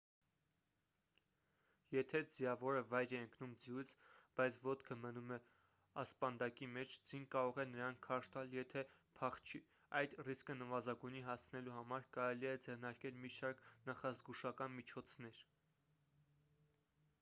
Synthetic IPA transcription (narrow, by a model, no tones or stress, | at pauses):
jɛt̪ʰɛd͡zijɑvɔɾəvɑjɾɛəŋkʰnumd͡zijujt͡sʰb̥ɑjt͡sʰvɔt̪kʰəmənumɛ | ɑspɑnd̪ɑkimɛt͡ʃʰd͡zinkɑɾɔʁɛnəɾɑnkʰɑʃt̪ɑljɛt̪ʰɛpʰɑχt͡ʃʰi | ɑjd̪riskənəvɑzɑɡujniɦɑst͡sʰnɛluɦɑmɑɾkɑɾɛliɛd͡zɛrnɑɾkɛlmiʃɑɾkʰnɑχɑzɡuʃɑkɑnmit͡ʃʰɔt͡sʰnɛɾ